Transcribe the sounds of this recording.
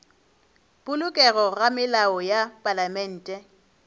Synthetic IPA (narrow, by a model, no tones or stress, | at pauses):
bʼʊlʊkʼɛɣɔɣamɪlaɔjapʼalamɛn̩ːtʼɛ